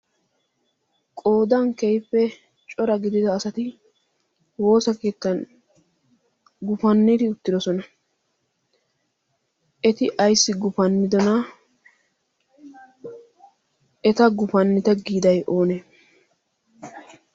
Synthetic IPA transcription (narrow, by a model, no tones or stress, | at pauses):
kʼo̞ːd̪ɐŋkɛjpːɛ | t͡ʃʼɔɾɐɡɪd̪ɪd̪ɐːsɐt̪ɪ | wo̞ːsɐke̞ːt̪ːɐn | ɡʊfɐnːɪt̪ɪʊt̪ːɪd̪ɔsɔnɐ | ʔɛt̪ɪʔɐjsːɪɡʊfɐnːɪd̪ɔnɐ | ɛt̪ɐɡʊfɐnːɪt̪ɐɡiːd̪ɐjʔoːneː